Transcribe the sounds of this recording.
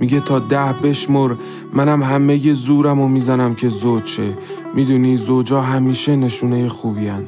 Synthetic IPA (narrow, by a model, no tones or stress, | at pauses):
miɟe̞t̪ʰɒːd̪æhbe̞ʃmoɾ | mænæmɦæme̞jezuːɾæmomiːzænæmcʰe̞zot͡ʃʰe | miːd̪uːniːzod͡ʒɒːɦæmiːʃe̞ne̞ʃuːnejexuːbiːænd̪̥